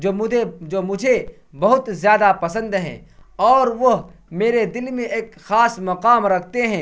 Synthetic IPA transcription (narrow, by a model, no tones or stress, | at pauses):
oʊed͡ʒoːmʊd͡ʒʱe | bɐɦʊt̪zjaːd̪apɐsə̃nd̪ɦɛ̰̃ːɔːɾʋɐɦmeːɾed̪ɪlmẽeːkxaːsmɐqaːmɾɐkʰt̪eɦɛ̃ː